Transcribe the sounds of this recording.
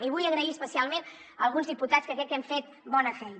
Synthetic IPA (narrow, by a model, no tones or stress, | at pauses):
iβujəɣɾəiəspəsialˠmen | əlˠɣunzðiput̪askəkɾɛkːɛɱfet̪̚ | bɔnəfɛj